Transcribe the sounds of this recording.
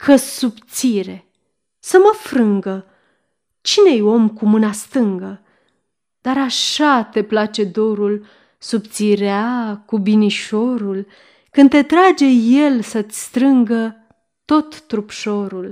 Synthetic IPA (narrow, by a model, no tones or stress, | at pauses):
kʰəsupt̪siɾe̞ | səməfɾɨŋɡə | t͡ʃine̞jo̞mkumɨnast̪ɨŋɡə | d̪̥aɾaʃat̪e̞plat͡ʃe̞d̪o̞ɾul | supt̪siɾeakubiniʃo̞ɾul | kɨnd̪t̪e̞t̪ɾad͡ʒe̞je̞lsəst̪ɾɨŋɡə | t̪o̞t̪ːɾupʃo̞ɾul